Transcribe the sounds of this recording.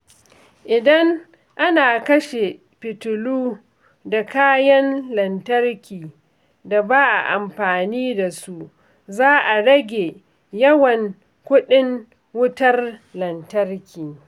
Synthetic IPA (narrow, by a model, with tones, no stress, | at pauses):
ʔɪ˨dɐ˦ŋ | ʔa˦naː˨kɐ˦ʃe˨ | pɪ˨tʊ˨luː˦ | da˨kaː˦jɐ˦nlɐ˨ntɐ˦rkʲiː˨ | da˨baː˦ʔa̰˨ʔa˨mɸaː˨niː˦da˨su˦ʔ | zaː˦ʔa˨ɽɐ˦ɡʲe˨ | jɐ˦wɐ˨ŋ | kʷʊ˦ɗɪ˦ŋ | wʊ˦tɐ˦rlɐ˨ntɐ˦rkʲiː˨